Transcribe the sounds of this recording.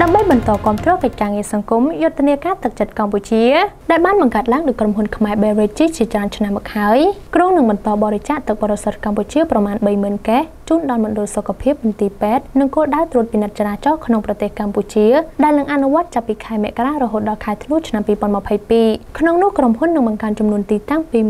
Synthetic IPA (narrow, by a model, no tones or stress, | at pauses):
ɗaəmɓəjɓɑnt̪ɑːkŏəmt̪rɔːkəc̚kaːŋiəsɑŋkumjʊt̪ːeniəkaːt̪ɨk̚t͡ɕət̪̚kamput͡ɕiəɗaɛlɓaːnɓɑŋkaət̪̚laəŋɗaːckromɦunkʰmaɛɓeːʋeːc̚t͡ɕiːt͡ɕiət͡ɕraənt͡ɕʰnamːɔk̚haəjkruːŋnɨŋɓɑnt̪ɑːɓɑːɾet͡ɕaːʔt̪ɨk̚ɓɔːɾesət̪̚kamput͡ɕiəprɑmaːnɓəjməənkɛːht͡ɕuːnɗɑlmʊ̆nɗʊlsokʰːapʰiəp̚nɨnt̪iːpeːt̪̚nɨŋkoːlɗaəwt̪ruət̪̚pinɨt̪̚t͡ɕalaːt͡ɕɑhkʰnoŋprɑt̪eːhkamput͡ɕiəɗaɛlnɨŋʔanuʋŏət̪̚t͡ɕapːiːkʰaɛmɛ̆əʔkaraːɾɔɦoːt̪̚ɗɑlkʰaɛt̪ʰnuət͡ɕʰnampiːpŏənməpʰəjpiːkʰnoŋnʊ̆əhkromhunːɨŋɓɑŋkaənt͡ɕumnuənt̪iːt̪aŋpiː